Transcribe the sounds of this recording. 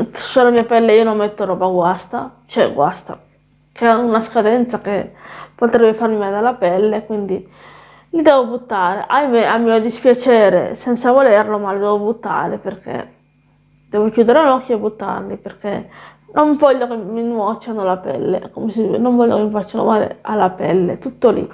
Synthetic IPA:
solamiːapɛlːeionommːɛt̪ːoɾɔːbaɡwast̪a̰t͡ʃɛ̰ɡwa̰st̪a̰ | keunaskad̪ɛnt̪sakepot̪ɾɛbːefaɾmimad̪alːapɛlːekwind̪i | lid̪ɛːvobut̪ːaːɾḛʔajmeamːiːod̪ispjat͡ʃɛːɾḛsɛnt̪savolerlomalid̪ɛːvobut̪ːa̰ːɾeperkʰḛ | d̪̥ɛːvokjuːd̪eɾeunɔkːjebut̪ːa̰rliperke | noɱvɔʎːokemːinwɔt͡ʃːanolapɛ̰lːḛkomesinoɱvɔʎːo̰kemifat͡ʃːano̰maːlḛalːapɛlːḛt̪ut̪ːolḭ

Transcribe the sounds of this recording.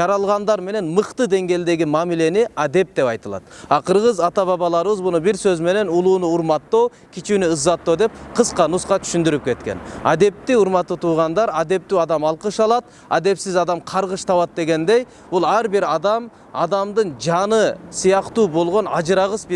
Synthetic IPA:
ʒɑɾɑlˠʁɑnd̪ɑɾme̞ne̞nməqt̪əd̪e̞ŋɡʲe̞ld̪e̞ɡʲɪmɑmile̞nɪæd̪e̞p̚d̪e̞pɑjt̪ɑlˠɑ̰d̪ɑqʰəɾʁəzɑt̪ɑβɑβɑlˠɑɾəβəzbʊnəbɪɾsøzme̞ne̞nulˠunʊʊɾmɑt̪ːow | kʲʰit͡ʃunɪəzːɑt̪ːod̪e̞p̚qʰəsqʰɑnusqɑt̪ʰʏ̥ʃʏnd̪ɪɾɪp̚kʲʰe̞t̪kʲe̞̰næd̪e̞p̚t̪ːɪʊɾmɑt̪ːət̪ʰuːʁɑnd̪ɑɾæd̪e̞p̚t̪yɑd̪ɑmɑlˠqəʃɑlˠɑt̪̚ | æ̰d̪e̞psɪzɑd̪ɑmqʰɑɾʁəʃt̪ʰɑβɑt̪̚d̪e̞ɡʲe̞nd̪e̞j | bʊlˠæɾbɪɾɑd̪ɑm | ɑ̰d̪ɑmd̪əɴd͡ʒɑnəsijɑqt̪uːbo̞lˠʁo̞nɑd͡ʒɾɑʁəsb

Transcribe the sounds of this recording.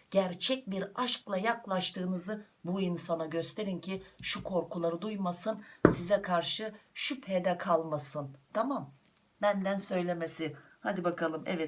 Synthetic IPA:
ɟ̥æɾt͡ʃʰɛc̚biɾaʃklˠajaklˠaʃt̪ʰɯːnɯzɯ | buinsanaɟø̞st̪ʰe̞ɾincʰiʃukʰo̞ɾkulˠaɾɯd̪ujmasɯnsizɛkʰaɾʃɯʃyphed̪ɛkʰalˠmasɯnt̪ʰamam | bænd̪ænsø̞jlʲe̞mesɪ | had̪ibakʰalˠɯmɛ̰vɛt̪

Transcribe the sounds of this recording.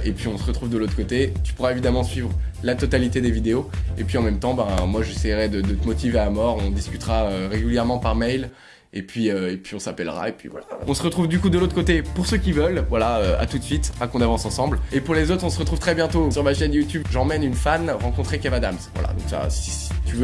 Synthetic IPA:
epɥiɔ̃səʁət̪χuvd̪əlot̪χəkot̪et̪y̥puʁaevid̪amɑ̃sɥivʁlat̪ɔt̪alit̪ed̪evid̪eoepɥiɑ̃mɛmt̪ɑ̃bɛ̃mwaʒesɛjʁɛd̪əd̪ət̪əmɔt̪iveaamɔʁɔ̃d̪iskʲyt̪ʁaøʁeɡʲyljɛʁmɑ̃paʁmɛjl | epɥiøepɥiɔ̃sapɛlʁa̰epɥḭvwa̰la̰ɔ̃səʁət̪χuvd̪ykud̪əlot̪χəkot̪epuʁsøkʲivœlvwalaøa̰t̪ut̪sɥit̪akɔ̃navɑ̃sɑ̃sɑ̃blepuʁlezot̪χɔ̃səʁət̪χuv̥t̪χɛbjɛ̃t̪osyʁmaʃɛnjut̪ybʒɑ̃mɛnynfanʁɑ̃kɔ̃t̪χekɛvad̪amsvwa̰la̰d̪ɔ̰̃ksa̰sisi̥t̪yvø

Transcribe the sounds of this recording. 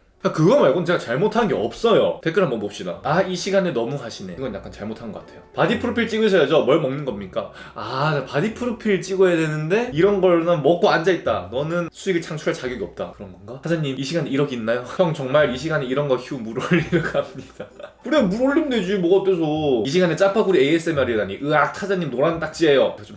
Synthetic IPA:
kakɯɡʌmaɭkʌnɯnt͡ɕe̞ɡat͡ɕaɭmotʰanɯnɡe̞ʌp̚s͈ʌjo̰te̞k͈ɯɾɦambʌnmop̚ɕ͈ida̰aiɕʰiɡanenʌmukaɕʰine̞̰ɡʌnja̰k͈ant͡ɕaɭmotʰanŋɡʌk͈atʰe̞jopadipʰɯɾupʰiɭt͡ɕ͈iɡusʰʌded͡ʑʌmʌɭmʌŋnɯnɡʌmɲik͈a | ad͡ʑapadipʰɯɾupʰiɭt͡ɕ͈iɡojedenɯnde̞iɾʌnɡʌɭnɯnmʌk͈oand͡ʑait̚t͈anʌnɯnsʰuiɡɯɭt͡ɕʰaŋt͡ɕʰuɾaɭt͡ɕaɡjʌɡiʌp̚t͈a̰kɯɾʌnɡʌnɡahad͡ʑaɲːimiɕʰiɡaneiɾʌɡinːajohajʌŋt͡ɕʌŋmaɾiɕʰiɡaneiɾʌnɡʌçʰiumuɾoʎːiɾɡamɲid̥akɯɾeomuɾoʎːimne̞d͡ʑimoɡʌt͈es̬ʰoiɕ̬ʰiɡanet͡ɕ͈apʰaɡuɾiees͈ʰemaɾiedaɲiʔɯak̚tʰad͡ʑaɲːimnoɾanɯnt͈ak̚t͡ɕ͈iejoʌt͡ɕom

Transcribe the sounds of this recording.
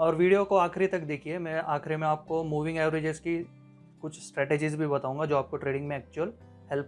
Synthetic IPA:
ɔːɾʋiːɖijokoaːxɾit̪ɐkd̪eːkʰiemɛ̃ːʔaːxɾimẽaːp̚komuːʋɪ̃ŋɡeːʋɾeːd͡ʒezki | kʊt͡ʃʰsʈɾɛːʈeːd͡ʒizbʱibɐt̪aːũŋɡad͡ʒoːaːp̚koʈɾeːɖɪ̃ŋɡmẽɛːk̚t͡ʃuəl | hɛlp

